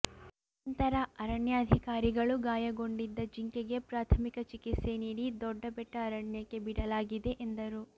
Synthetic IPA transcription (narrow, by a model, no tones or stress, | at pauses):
ɐnt̪ɐɾɐɐɾɐɳjɐːd̪ʱikaːɾiɡɐɭuɡaːjɐɡo̞ɳɖid̪ːɐd͡ʒiŋkeɡe̞pɾaːt̪ʰɐmikɐt͡ʃikit̪se̞niːɽid̪ɔɖːɐbɛʈːɐːɾɐɳjɐkːe̞biɽɐlaːɡid̪e̞ʔend̪ɐɾu